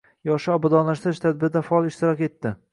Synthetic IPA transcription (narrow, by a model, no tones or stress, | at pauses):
jɒʃɪɒbad̪ɒnlaʃt̪ɾɪʃt̪ʰad̪̚bɪɾd̪afaɒlˠɪʃt̪ɪɾɒke̞t̪ːɪ